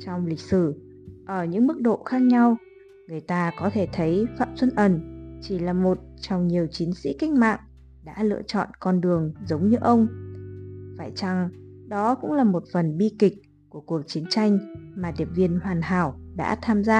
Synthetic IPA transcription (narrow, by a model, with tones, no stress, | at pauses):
t͡ɕɔ˧wŋ͡mlï˨˩k̟̚sɨ˧˩ | ʔəː˧˩ɲɨ̰˧˥ŋmɨ˦˥k̚ɗo̰˧˨xaː˦˥k̚ɲa˧w | ŋɨ˨˩əjt̪aː˧kɔ˨˦t̪ʰe˧˩t̪ʰə˨˦jfa̰ː˧˨mswə˧nʔə˨˩nt͡ɕi˧˩laː˨˩mo˨˩t̚t͡ɕɔ˧wŋ͡mɲi˨˩əwt͡ɕi˨˦nsḭ˧˥ka˧˦jŋ̟̚ma̰ː˧˨ŋ | ɗa̰ː˧˥lɨ̰˧ət͡ɕɔ̰˧˨nkɔ˧nɗɨ˨˩əŋzə˨˦wŋ͡mɲɨ˧ʔə˧wŋ͡m | faː˧˩jt͡ɕa˨˧˩ŋ | ɗɔ˨˦kʊ̰˧˥ŋ͡mlaː˨˩mo˨˩t̚fə˨˩nɓi˧kï˨˩k̟̚ | ku˧˩əku˨˩ək̚t͡ɕi˨˦ənt͡ɕa˧jŋ̟maː˨˩ɗi˨˩əp̚vi˧ənhwaː˨˩nɦaː˧˩wɗa̰ː˧˥t̪ʰaː˧mzaː˧